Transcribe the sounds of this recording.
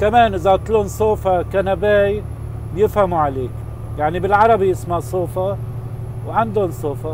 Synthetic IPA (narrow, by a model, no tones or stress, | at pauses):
kameːnʔɪzabt̪luːnsˤoːfakanabeːj | bjɪfhamuʕaleːk | jaʕnibɪlʕɑɾˤɑbijɪsmaʕsˤoːfa | wʕɪnd̪ʊnsˤoːfa